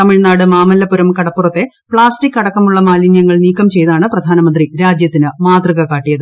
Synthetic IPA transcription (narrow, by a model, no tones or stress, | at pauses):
t̪ɐmiɻnaːɽɨmaːmɐlːɐpːuɾɐmkɐɽɐpːurɐt̪ːe̞ | pɭaːsʈikːɐɽɐkːɐmuɭːɐmaːlinjɐŋːɐɭniːkːɐmt͡ɕe̞jðaːɳɨprɐd̪ʱaːnɐmɐnd̪riɾaːd͡ʑjɐt̪ːinɨmaːt̪rɨɣɐkaːʈːijɐðɨ